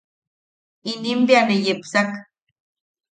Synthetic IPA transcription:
inimbjanejepsak

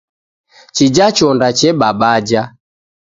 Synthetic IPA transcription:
t͡ʃid͡ʒat͡ʃɔndat͡ʃɛɓabad͡ʒa

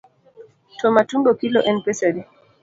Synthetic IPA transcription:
tɔmatumbɔkilɔʔɛnpɛsaɾi

